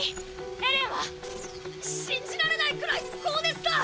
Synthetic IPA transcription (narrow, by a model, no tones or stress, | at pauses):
naɾeβa | ɕĩɲ̟d͡ʑiɾaɾe̞naikɯ̟ɾaikoːd̪e̞sɨ̥ka